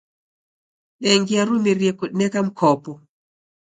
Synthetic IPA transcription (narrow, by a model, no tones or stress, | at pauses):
ɗɛŋɡiaɾumeɾjɛkɔnɛkam̩kʰɔpɔ